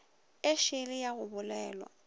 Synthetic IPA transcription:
ɪʃɪlɪjaɣʊbʊlɛːlwa̰

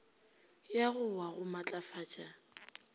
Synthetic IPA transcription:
jaɣʊwaɣʊmat͡ɬʼafaːt͡ʃʼa

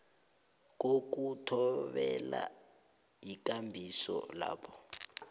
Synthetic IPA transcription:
k̬ok̬utʰɔɓɛla | ik̬ʼambʱisɔ̰laːpʰɔ̥

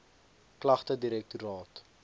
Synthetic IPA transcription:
klɐχtədiɾɛk̚tuɾɑːt

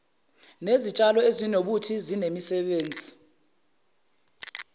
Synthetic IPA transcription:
nezit͡ʃʼalɔezinoɓutʰizinemisɛɓeːnd͡zʱi

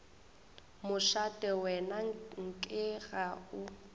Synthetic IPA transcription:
mʊʃatʼɛwɛnaŋ̩kʼɪɣaʊ

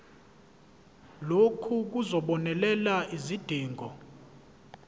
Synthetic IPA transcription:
lokʰuk̬uzɔɓɔnɛlɛlaizid̥ʱiːŋʱɔ

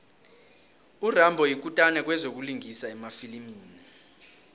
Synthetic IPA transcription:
urambʱɔjik̬ʼutʼanɛk̬wɛzok̬uliŋisaɛmafilimiːni

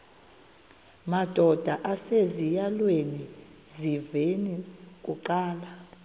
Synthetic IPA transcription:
mad̥ʱɔd̥ʱaʔasezijalweni | zivenik̬ʼuǃaːla

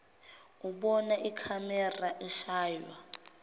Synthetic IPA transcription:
uɓɔnaʔikʰamɛraʔɛʃaːjwa

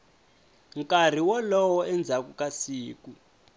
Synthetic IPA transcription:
ŋkʼar̤iwɔlɔwɔɛnd͡zʱakukʼasiːku

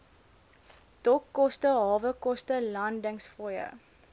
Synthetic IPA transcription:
d̥ɔkːɔstəɦɑːvəkɔstəlɐndəŋsfrɔjə̰

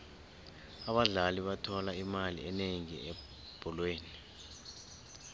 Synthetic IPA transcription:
aɓaɮaliɓatʰɔlaimalḭɛneŋiɛ | b̥ʱɔlweːni

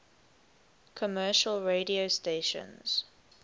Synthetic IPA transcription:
kʰɔmɜːʃəlɹediosteʃə̰̃nz̥

